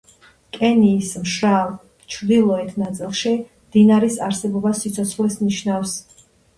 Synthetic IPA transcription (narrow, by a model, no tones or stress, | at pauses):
kʼɛniːsmʃɾal | t͡ʃʰɾd̪ilˠɔɛt̪ʰnat̪sʼilˠʃi | md̪̥inaɾisaɾsɛbɔbasːit̪sʰɔt̪sʰχlɛsniʃnafs